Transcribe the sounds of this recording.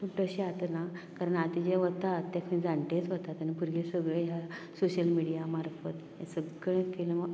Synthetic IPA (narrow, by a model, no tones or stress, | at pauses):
tuʈəɕeat̪nakaɾəɳat̪id͡ʑeʋət̪at̪ːakʰnĩd͡zaɳʈ̪ẽt͡sʋət̪at̪ənipuɾɡesəɡɭeɦjasoɕəlmiɽijamaɾfət̪ | esəɡɭẽkeləmə